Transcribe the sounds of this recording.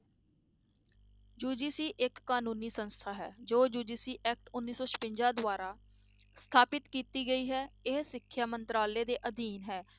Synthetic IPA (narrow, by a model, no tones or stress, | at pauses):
d͡ʒuːɖiːsiːʔɪkːaːnũːniːsənst̪ʰaːɦɛːd͡ʒoːd͡ʒuːɖiːsiːʔɛːk̚ʈʊnːiːsɔːt͡ʃʰə̥pɪ̃ɲd͡ʒãːd̪ʋaːɾaː | st̪ʰaːpɪt̪kiːt̪iːɡəiːɦɛːɪɦsɪkʰːjaːmənt̪ɾaːleːd̪eːʔəd̪iːnɦɛː